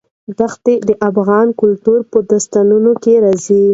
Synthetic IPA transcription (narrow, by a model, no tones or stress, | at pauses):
ɖ̪axt̪ed̪əʔafɣɑnkʊlt̪uɾpəd̪ast̪anunokeɾɑzi